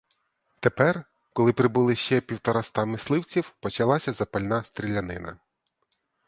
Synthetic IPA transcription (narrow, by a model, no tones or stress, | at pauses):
t̪epɛr | kɔlˠɪpɾɪbʊlˠɪʃt͡ʃɛpʲiwt̪ɔɾɑst̪ɑmɪslˠɪwt͡sʲiwpɔt͡ʃɐlˠɑsʲɐzɐpɐlʲnɑst̪ɾʲilʲːɐnɪnɐ̰